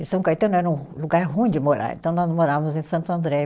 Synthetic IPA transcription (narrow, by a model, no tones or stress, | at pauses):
ẽsɐ̃kajt̪ɐ̃nʊ̃ɛɾɐũluɡaɾɦũĩd͡ʒɪmoɾa̰ɾḛ̃nt̪ɐ̃w̃nɔzmoɾavɐmʊzẽj̃sɐ̃nt̪uɐ̃nd̪ɾɛ